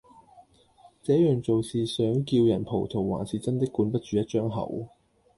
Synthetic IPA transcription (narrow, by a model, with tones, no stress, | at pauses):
t͡sɛː˨˥jœː˨˩ŋt͡so˨wsiː˨sœː˨˥ŋkiː˧wjɐ˨˩npʰo˨˩wt̪ʰo˨˩wwa̰ː˨˩nsiː˨t͡sɐ˥nt̪ɪ˥kːuː˨˥npɐ˥t̚t͡ʃyː˨˥jɐ˥t̚t͡ʃœː˥ŋɦɐ̰˨˩w